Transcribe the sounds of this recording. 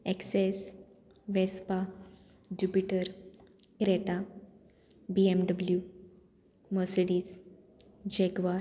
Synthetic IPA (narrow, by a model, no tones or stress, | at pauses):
ekses | ʋespa | d͡ʑupiʈəɾ | kɾeʈa | biemɖəblju | məsɽiːs | d͡ʑeɡʋa